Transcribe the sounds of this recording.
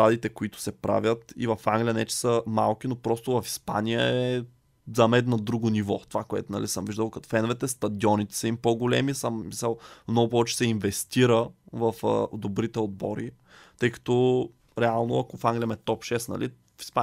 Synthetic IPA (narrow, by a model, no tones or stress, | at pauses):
ɾad̪it̪ɛkoit̪ʊ̥sɛpɾa̰vʲjət̪ḭvɐfaŋɡlʲijənɛt͡ʃɛ̥səma̰lˠk̟inopɾɔst̪ʊvɐfi̥spa̰nijəɛɛ | zɐmɛd̪nɐd̪ɾuɡʊnivɔ̰t̪ovakoɛ̰t̪ʊnɐlisəmviʒd̪əlˠkɐt̪o̥fɛnvɛt̪ɛst̪ɐd̪iɔnit̪ɛ̥sɐimpoɡʊlɛ̰misəmmisəlˠmnɔɡʊpɔvɛt͡ʃɛ̥sɛinvɛst̪iɾəvɐfd̪obɾit̪ɛod̪̚bɔ̰ɾi | t̪ɤjkɐ̥t̪ɔ | ɾɛalˠnoɐkofaŋɡlʲijəmɛt̪ɔpʃɛsnɐ̰lʔi | fi̥spa